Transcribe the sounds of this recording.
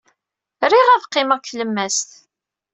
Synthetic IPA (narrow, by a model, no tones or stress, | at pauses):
ɾiʁæðqːɪməʁkʷθləmːæst̪